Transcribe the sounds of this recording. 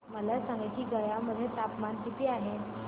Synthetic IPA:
məlasãŋɡat͡ɕiːɡəjaməd̪ʱːjet̪apmant̪it̪iːaɦe

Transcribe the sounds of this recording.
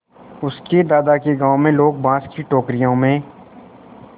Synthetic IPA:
ʊsked̪aːd̪akeɡãːõmẽloːɡ̚bãːskiʈoːkɾijõmẽː

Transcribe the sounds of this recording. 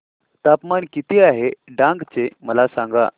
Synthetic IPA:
t̪apmankit̪iaɦeɖãŋɡt͡seməlasãŋɡa̰

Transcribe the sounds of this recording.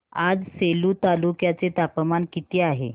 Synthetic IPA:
ad͡zseluːt̪alukjat͡set̪apəmankit̪iaɦḛ

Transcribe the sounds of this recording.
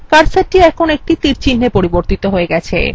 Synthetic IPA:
kaɾsaɾʈiɛkkʰonek̚ʈit̪iɾt͡ɕʰinːepoɾiboɾt̪it̪oɦoeɡɛt͡ɕʰḛ

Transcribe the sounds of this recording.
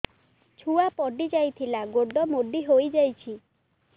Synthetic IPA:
t͡ʃʰuapɔɖid͡ʒajt̪ʰilaɡoɖɔmoɖiɦojd͡ʒajt͡ʃʰi

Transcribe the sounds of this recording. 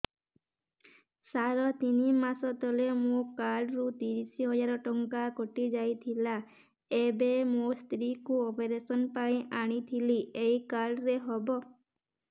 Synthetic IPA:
saɾɔt̪inimasɔt̪ɔlemũkaɖɾut̪iɾisiɦɔd͡ʒaɾɔʈɔŋkakɔʈid͡ʒajt̪ʰila | ebemũst̪ɾikuopeɾesɔnpaĩʔaɽ̃it̪ʰiliejkaɖɾeɦɔbɔ

